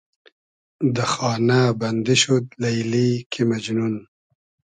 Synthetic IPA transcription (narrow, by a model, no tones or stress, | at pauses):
d̪əxɑːnaband̪iʃud̪lajlikʰimad͡ʒnun